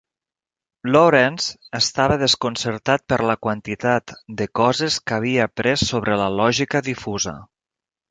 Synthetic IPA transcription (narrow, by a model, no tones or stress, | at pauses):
loɾenzəst̪aβəðəskunsəɾt̪at̪̚pəɾləkwant̪it̪at̪d̪əkɔzəskəβ̞iəpɾɛsːoβɾələlɔʒikəðifuzə̰